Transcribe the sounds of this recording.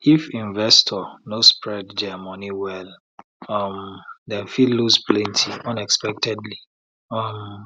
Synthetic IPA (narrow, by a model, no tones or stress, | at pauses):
ifĩnvɛstʰɔnospɹɛdd͡ʒɛmɔniwɛl | ɔmdɛ̃nfilːuzplɛ̃ntʰiɔ̃nɛkspɛk̚tʰɛdli | ɔm